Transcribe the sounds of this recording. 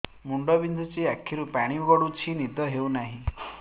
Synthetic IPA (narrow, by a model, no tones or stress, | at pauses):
muɳɖɔbind̪ʱut͡ʃiakʰːiɾupaɽ̃iuɡɔɽut͡ʃʰinid̪ɔɦewnaɦĩ